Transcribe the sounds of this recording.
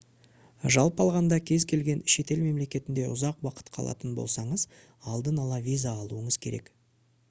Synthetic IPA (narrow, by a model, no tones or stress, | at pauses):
ʒɑlˠpɑlˠʁɑnd̪ɑkʲʰe̞zkʲʰe̞lɡʲe̞nʃe̞t̪e̞lme̞mle̞kʲe̞t̪ɪnd̪e̞ʔʊ̰zɑqwɑqə̥t̪qʰɑlˠɑ̰t̪ənbo̞̰lˠsɑɴəz | ɑlˠd̪ənɑlˠɑvʲijzaːlˠuəɴəz̥kʲʰe̞ɾe̞̰k